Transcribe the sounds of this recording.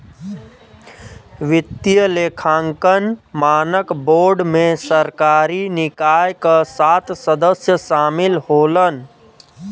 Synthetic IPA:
ʋit̪ijəlekʰãŋkənmanəkboɾɖmesəɾkaɾinikajkəsat̪səd̪əsjəsamilholən

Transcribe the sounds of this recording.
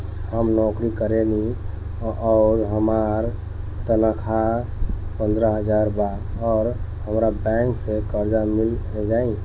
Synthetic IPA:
həmnɔkɾikəɾeli | ɔɾɦəmaɾ | t̪ənəkʰa | pə̃nd̪ɾəɦəd͡ʒaɾba | ɔːɾhəmɾabɛ̃ŋksekəɾd͡ʒamiled͡ʒaĩ

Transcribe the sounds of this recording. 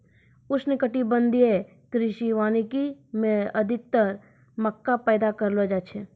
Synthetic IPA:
ʊsnɪkəʈibənd̪ie | kɾɪʃiʋaːnikimẽəd̪ʱɪk̚t̪əɾ | məkːapɛːd̪akəɾlod͡ʒat͡ʃʰe

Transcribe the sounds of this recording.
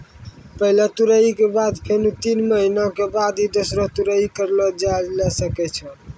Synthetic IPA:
pəɦilet̪uɾəikebad̪pʰenut̪inməɦinakebad̪id̪osɾɔt̪uɾəikəɾlɔd͡ʒalɛsəkɛt͡ʃʰə

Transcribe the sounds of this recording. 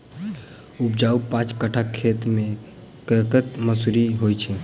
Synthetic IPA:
up̚d͡ʒaupãt͡ʃkəʈʰakʰːet̪mẽ | kəkət̪məsuɾiɦojt͡ʃʰɛ

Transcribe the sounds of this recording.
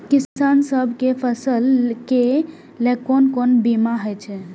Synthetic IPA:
kisansəbʱkepʰəsəlke | lekonkonbimaɦəjt͡ʃʰɛ

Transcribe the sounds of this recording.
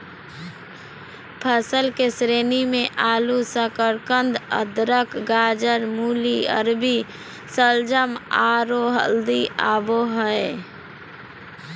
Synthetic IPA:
pʰəsəlkesɾeːnimẽʔaːlusəkəɾkənd̪ə̰d̪ɾəkɡaːd͡ʒəɾmuːliə̰ɾbi | səld͡ʒəmaɾoɦə̰ld̪ia̰ːboɦəe

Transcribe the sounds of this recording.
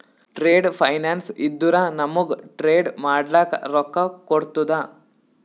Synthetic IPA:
ʈɾeːɖpʰɐjnaːnsid̪ːuɾanɐmːuɡʈɾeːɖmaːɖlaːkɐɾɔkːɐkoɽt̪ud̪a

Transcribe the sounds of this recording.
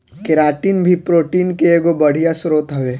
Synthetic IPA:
kɪɾaːʈiːnbʱipɾoːʈiːnkeeːɡobəɽ̤ijasɾoːt̪ɦɐʋeː

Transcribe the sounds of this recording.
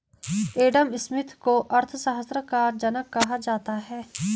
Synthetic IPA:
eːɖəmɪsmɪt̪ʰkoʔəɾt̪ʰsəɦəsɾəkaːɾd͡ʒənəkːɐɦad͡ʒaːt̪aɦɛː

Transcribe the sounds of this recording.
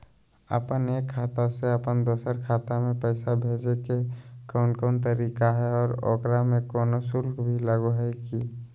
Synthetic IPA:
ə̰pəneːkʰːaːt̪aseəpənd̪oːsəɾkʰaːt̪amẽpəɪsabʱeːd͡ʒekekɔːnkɔːnt̪əɾiːkaɦɛɔːɾɔ̰ːkɾamẽkɔːnosʊlkʰbʱiləɡoɦaiki

